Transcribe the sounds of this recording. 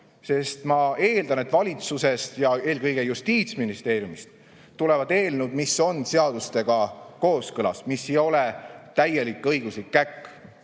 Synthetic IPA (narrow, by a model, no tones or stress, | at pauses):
se̞st̪mɑe̞ːld̪ɑne̞t̪ːvɑlʲit̪suse̞st̪jɑe̞ːlɡɤjɡ̥e̞just̪iːt̪sminist̪e̞ːɾjumist̪ | t̪ːule̞vɑd̪e̞ːlnud̪̥miso̞nse̞ɑd̪̥ust̪e̞ɡ̥ɑko̞ːskɤlɑ̰smisːe̞jo̞let̪æjːe̞likːˑɤjɡ̥uslikːækː